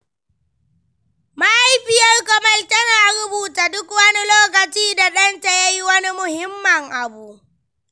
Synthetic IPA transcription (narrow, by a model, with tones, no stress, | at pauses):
ma˦ʔa˦jɸɪ˦jɐ˦rkɔ˦mɐ˦ltɐ˦naː˨ɾʊ˦buː˨taː˨dʊ˦kwɐ˦ni˦loː˦k̬ɐ˨t͡ʃiː˦da˨ɗɐ˦nta˨ja˦ji˦wɐ˦ni˦mʊ˨hɪ˦mːɐ˨ŋʔa˨bu˨